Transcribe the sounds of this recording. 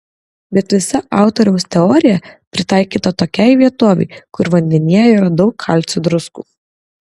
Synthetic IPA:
bʲɛt̪ʋʲɪsɐʔɑˑʊt̪ɔɾʲɛʊst̪ʲɛɔːɾʲɪjɛpʲɾʲɪt̪ɑˑɪkʲiːt̪ɐt̪oːkʲæɪʋʲiɛt̪oːʋʲɛ̰ɪkʊɾʋɐnʲd̪ʲɛnʲiɛjiːɾɐd̪ɒʊkːʰɐˑlʲt̪sʲʊd̪ɾʊskṵː

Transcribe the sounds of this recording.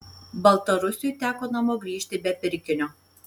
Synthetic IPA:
bɐlˠt̪ɐɾʊsʲʊjt̪ʲæːkoːnɐmoːɡɾʲiːʃʲt̪ʲɪbʲɛpʲɪɾʲkʲɪnʲoː

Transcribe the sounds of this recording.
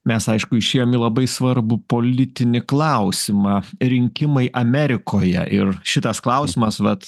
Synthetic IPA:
mʲɛsɐɪʃkʊɪʃʲeːjoːmɪlˠɐbɐɪsʋɐɾbʊpoːlʲɪt̪ʲɪnʲɪklˠɐʊsʲɪmɑːɾʲɪŋʲkʲɪmɐɪʔɐmʲæːɾʲɪkʰoːjɛ̰ʔɪrʃʲɪt̪ɐsklˠɐʊsʲɪmɐsʋɐt̪

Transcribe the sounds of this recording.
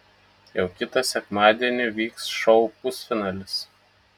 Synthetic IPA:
jɛʊkʲɪt̪ɐsʲɛkmɑːd̪ʲiɛnʲɪʋʲiːksʃɔʊkʊsfʲɪnɑːlʲɪs

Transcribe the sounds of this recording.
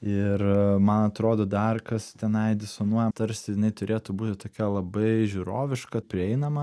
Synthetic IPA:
ɪrmɐnɐt̪ɾoːd̪oːd̪ɐrkɐst̪ʲɛnɐɪd̪ʲɛsonuɔjɛmt̪ɐɾʲsʲɪjɪnɐɪt̪ʊɾʲʔeːt̪ʊbuːt̪ʲɪt̪oːkʲɛlˠɐbɐɪʒʲuːɾoːʋʲɪʃkɐpʲɾʲɪɛɪnɐmɐ

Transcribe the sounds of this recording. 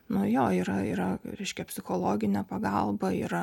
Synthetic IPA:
nʊjoːiːɾɐḭːɾɐɾʲɛɪʃʲkʲɛpʲsʲɪxoːlˠoːɡʲɪnʲɛpɐɡɑlˠbɐḭːɾɐ

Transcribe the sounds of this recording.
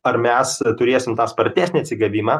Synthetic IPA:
ɐɾmʲɛst̪ʊɾʲeːsʲɪmt̪ɑːspɐɾʲt̪ʲæːsʲnʲiɐt̪sʲɪɡɐʋʲiːmɑ

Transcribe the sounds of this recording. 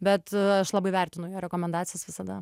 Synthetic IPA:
bʲɛt̪ɐʃlˠɑbɐɪʋʲærʲt̪ʲɪnʊjoːɾʲɛkoːmʲɛnd̪ɑːt̪t͡s̪ʲɪjɛsʋʲɪsɐd̪ɐ

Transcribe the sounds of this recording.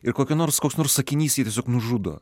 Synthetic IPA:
ɪɾkoːkʲɛnoːrskoːksnoːrssɐkʲɪnʲiːsjiːt̪ʲiɛsʲoːknʊʒʊd̪o̰ː

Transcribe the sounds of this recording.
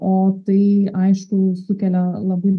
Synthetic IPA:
oːt̪ɐɪɐɪʃkʊsʊkʲɛlʲɛlˠɐbɐɪ

